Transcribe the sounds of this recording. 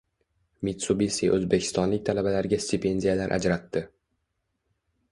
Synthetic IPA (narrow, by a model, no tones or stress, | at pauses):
mit̪subisiʔɵzbekʲʰɪ̥st̪ɒnlɪk̚ʲt̪ʰalabalaɾɡʲasʲt̪ʲɪpʰe̞nd̪ʲijalaɾʔa̰d͡ʒɾat̪ʰːɪ